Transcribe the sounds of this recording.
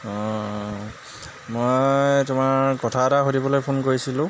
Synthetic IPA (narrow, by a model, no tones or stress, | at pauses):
ɔ̃ | mojjtumaɹkɔtʰataxodibɔlojpʰonkoɹisilʊ̃